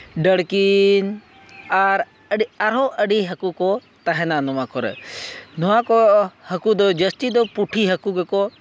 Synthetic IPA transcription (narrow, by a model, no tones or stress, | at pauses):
ɖəɽkin | aɾ | aɾoʔəɖiɦəkuko | t̪ɐɦɛnanʊʋãːkɔɾɛ̰nʊãkohəkud̪od͡ʒəst̪id̪opʊʈʰiɦəkuɡeko